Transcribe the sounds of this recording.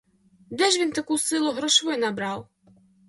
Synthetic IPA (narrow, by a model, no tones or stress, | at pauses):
d̪ɛʒʋʲint̪akusɪlˠʊɦɾɔʃʋɪnabɾɑw